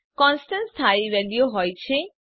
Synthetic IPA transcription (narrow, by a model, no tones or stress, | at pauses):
kɔnsʈanst̪ʰaiʋeljoɦɔjt͡ɕʰe